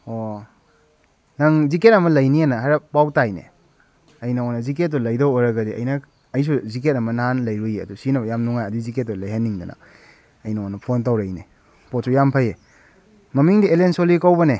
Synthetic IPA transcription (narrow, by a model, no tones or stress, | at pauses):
o | naŋziket̚ɐmɐlɐjnianɐɦaɾɐbawtajnḛ | ɐjnɐonːɐzik̬et̚ːɔlɐjdowojɾɐɡɐdiɐ̰jnɐ | ɐjs̬uzik̬et̚ɐmɐnaanlɐjɾujeɐdusinɐbjamnuŋajɐdiziket̚ːɔlɐjɦanːiŋdɐnʔɐ̰ | ɐjnɐonːɐpʰontawɾejnḛ | pot̚sujampʰaje | mɐmiŋdielensolikawbɐne